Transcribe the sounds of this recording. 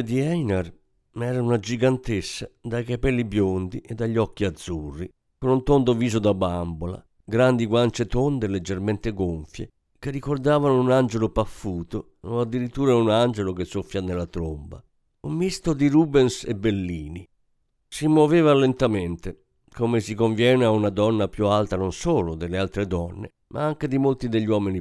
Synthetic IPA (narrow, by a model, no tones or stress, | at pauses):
d̪iɛnar | mɛːɾaunad͡ʒiɡant̪esːad̪ajkapɛlːibjond̪iʔed̪ːaʎːɔk̟ːiad̪zːurːi | konunt̪ond̪oviːzod̪abambola̰ | ɡɾand̪iɡwant͡ʃet̪ond̪eled͡ʒːerment̪eɡoɱfjḛ | k̟erːikord̪aːvanounand͡ʒelopafːuːt̪o | oad̪ːiɾit̪ːuːɾaunand͡ʒelokesːofːjanelːat̪ɾomba̰ | umːist̪od̪iɾuːbɛnsḛbelːiːni | simoveːvalent̪ament̪e | komesikoɱvjɛːneaunad̪ɔnːapjualt̪anonsoːlod̪elealt̪ɾed̪ɔnːḛ | mʔa̰aŋk̟ed̪imolt̪id̪eʎːwɔːmini